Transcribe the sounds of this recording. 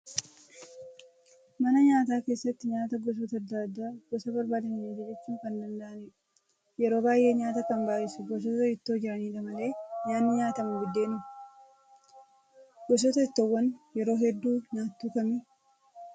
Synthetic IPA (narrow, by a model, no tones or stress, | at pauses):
mɐnɐɲaːt̪aːke̞ːsːɐt̪ːɪɲaːt̪ɐɡɔs̬ɔt̪ɐd̪ːaːd̪ːaːɡ̥ɔsɐbɐɾbaːd̪ɐnːeːd͡ʒɛd͡ʒɛt͡ʃːuːŋkɐnd̪ɐnd̪aʔɐniːᶑʊ | jɛɾo̞ːbaːjʔe̞ːɲaːt̪ɐkɐmbaːʔɪsʊɡɔs̬ɔt̪ɐɪt̪ːo̞ːd͡ʒɪɾɐniːᶑɐmɐle̞ːjaːnːɪɲaːt̪ɐmʊɡʊd̪ːe̞ːnʊm | ɡ̥ɔs̬ɔt̪ɐɪt̪ːɔwːɐnjɛɾo̞ːɦɛd̪ːuːɲaːt̪ːuːkɐmi